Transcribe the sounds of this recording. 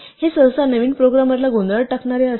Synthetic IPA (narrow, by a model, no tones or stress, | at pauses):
hesə̃wsanəʋiːnpɾoɡɾaməɾlaɡond̪əɽʈakɳaɾeəs